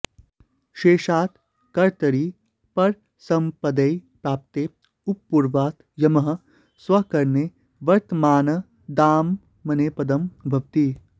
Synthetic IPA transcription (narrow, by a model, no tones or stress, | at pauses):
ʃeːʃaːt̪ | kɐɾt̪ɐɾiː | pɐɾ | sɐ̃mpɐd̪ɐjpɾaːp̚t̪eː | upːuɾʋaːt̪ | jɐmɐɦɐ | sʋɐkɐɾneː | ʋɐɾt̪əmaːnɐ | d̪aːmː | ɐneːpɐd̪ɐmbʱɐʋt̪i